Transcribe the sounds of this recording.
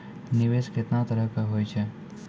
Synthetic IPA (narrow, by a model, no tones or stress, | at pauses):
niʋesket̪nat̪əɾəkəɦojt͡ʃʰe